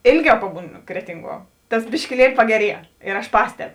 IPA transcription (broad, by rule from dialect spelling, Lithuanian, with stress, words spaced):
ˈeːlʲˌɡʲɛʊ ˈpɑːbuːˌnʊ ˈkrʲæːtʲɪŋˌɡuɔ ˈtɐs bʲɪʃʲkʲɪˈlʲiɛlʲɪ pɐɡʲɛˈrʲiɛ ɪr ɐʃ ˈpɑːsʲtʲɛp